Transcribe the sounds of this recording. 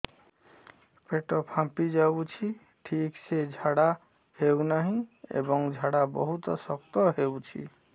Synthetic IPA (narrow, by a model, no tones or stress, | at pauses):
peʈɔpʰãmpid͡ʒabut͡ʃʰi | ʈʰiksed͡ʒʱaɽa | hewnaɦĩḛbɔŋd͡ʒʱaɽabɔ̰ɦut̪ɔsɔkt̪ɔɦewt͡ʃʰḭ